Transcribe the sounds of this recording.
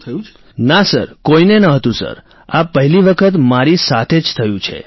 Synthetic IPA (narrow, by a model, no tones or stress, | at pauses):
j̃ | nasə̰ɾkoinenəɦət̪ũsə̰ɾ | apəɦɛliʋəkʰət̪maɾisat̪ʰed͡ʒt̪ʰəjũt͡ʃʰḛ